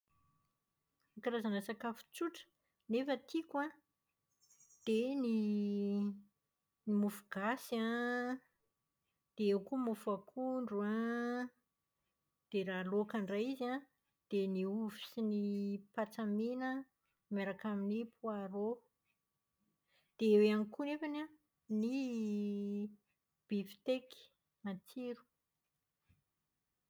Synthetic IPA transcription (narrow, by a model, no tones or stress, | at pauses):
akaɾazanasakafu̥t͡suʈ͡ʂə̥ | nefət̪ʰikwã | d̪̥eni | nimufuɡ̥asiã | d̪̥eewkumufakʰuɳɖ͡ʐuã | d̪̥eɾalokaɳɖ͡ʐajiziã | d̪̥eniuvi̥sinipat͡saminə | meɾakaminipuaɾo | d̪̥eeweanikunefana | ni | b̥ifi̥t̪eki̥ | mant͡siɾu̥